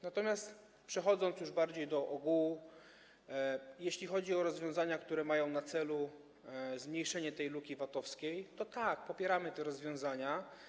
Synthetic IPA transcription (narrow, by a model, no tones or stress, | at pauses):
nat̪ɔmʲjast̪ | pʂɛxɔd̪zɔnt̪sjuʐbaɾd͡ʑejd̪ɔʔɔɡu | jeɕlʲixɔd͡ʑiɔɾɔzvʲjɔ̃w̃zaɲakt̪uɾɛmajɔ̃w̃nat̪sɛlu | zmɲejʂɛɲɛt̪ɛjlukʲivat̪ɔfskʲejt̪ɔt̪ak̚pɔpʲjɛɾamɘt̪ɛɾɔzvʲjɔ̃w̃zaɲa